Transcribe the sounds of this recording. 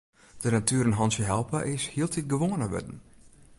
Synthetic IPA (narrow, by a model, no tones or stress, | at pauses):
d̥ənatʰyəɾənɦɔnsjəɦɛlˠpəʔɪshiəlˠtit̚ɡəʋoənəʋø̰dn̩